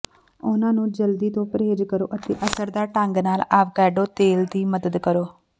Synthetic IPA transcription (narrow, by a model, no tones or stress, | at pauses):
ʊnãːnũːd͡ʒəld̪iːt̪õːpəɾeːd͡ʒkəɾo̰ːʔət̪ḛːʔəsəɾd̪aːʈəŋɡnaːlaːʋkɛːɖoːt̪eːld̪iːməd̪əd̪kəɾoː